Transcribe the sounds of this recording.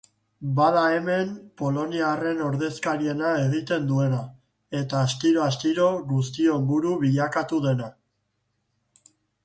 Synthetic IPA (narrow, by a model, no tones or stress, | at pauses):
baðae̞me̞mpo̞lo̞niare̞no̞ɾðe̞skaɾie̞nae̞ɣ̞it̪e̞nd̪ue̞na | e̞t̪aːst̪iɾo̞ast̪iɾo̞ɣust̪io̞embuɾuβiʎakat̪uðe̞na